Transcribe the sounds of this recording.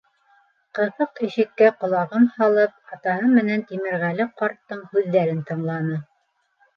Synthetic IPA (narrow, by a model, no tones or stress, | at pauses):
qɤ̆ðɤqɘ̆ʃɘ̆kːæqŏlˠɑʁɤmhɑlˠɤp̚ɑt̪ɑhɤmɘ̆nænt̪imɘ̆ɾʁælɘqɑɾt̪ːɤɴhʉðːæɾɘnt̪ɤ̆ɴlˠɑnɤ